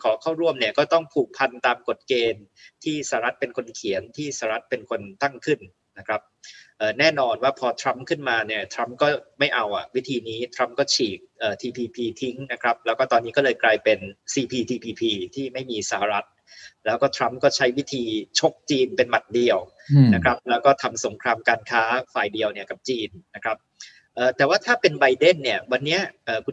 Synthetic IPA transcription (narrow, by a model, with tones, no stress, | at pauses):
kʰɔː˩˦kʰaː˥˩wɾu˥˩əmni˥˩əkɔː˥˩t̪ɔ˥˩ŋpʰuː˨˩k̚pʰa˧nt̪aː˧mko˨˩t̪̚keː˧n | t̪ʰiː˥˩saː˨˩a˧ɾa˦˥t̪̚pe˧nkʰo˧nkʰi˩˦ənt̪ʰiː˥˩sa˧˩a˧ɾa˦˥t̪̚pe˧nkʰo˧nt̪a˥˩ŋkʰɯ˥˩nː | na˦˥kʰɾa˦˥p̚ʔɤː˨˩nɛː˥˩nɔː˧nwaː˥˩pʰɔː˧t̪ʰɾa˦˥mkʰɯ˥˩nmaː˧ni˥˩ət̪ʰɾa˦˥mkɔː˥˩ma˥˩jʔa˧wʔa˨˩wi˦˥t̪ʰiː˧niː˦˥t̪ʰɾa˦˥mkɔː˥˩t͡ɕʰiː˨˩k̚ʔɤː˨˩t̪ʰiː˧pʰiː˧pʰiː˧t̪ʰi˦˥ŋna˦˥kʰɾa˦˥p̚lɛː˦˥wkɔː˥˩t̪ɔː˧nːiː˦˥kɔː˥˩lɤː˧jklaː˧jpe˧nsiː˧pʰiː˧t̪ʰiː˧pʰiː˧pʰiː˧t̪ʰiː˥˩ma˥˩jmiː˧sa˧˩ha˧ɾa˦˥t̪̚ | lɛː˦˥wkɔː˥˩t̪ʰɾa˦˥mkɔː˥˩t͡ɕʰa˦˥jwi˦˥t̪ʰiː˧t͡ɕʰo˦˥k̚t͡ɕiː˧npe˧nma˨˩t̪̚di˧əw | na˦˥kʰɾa˦˥p̚lɛː˦˥wkɔː˥˩t̪ʰa˧mso˩˦ŋkʰɾaː˧mkaː˧nkʰaː˦˥faː˨˩jdi˧əwni˥˩ɐka˨˩p̚t͡ɕiː˧nːa˦˥kʰɾa˦˥p̚ | ʔɤː˨˩t̪ɛː˨˩waː˥˩t̪ʰaː˥˩pe˧nba˧jde˥˩nːi˥˩ɐwa˧nːi˦˥ɐʔɤː˨˩kʰu˧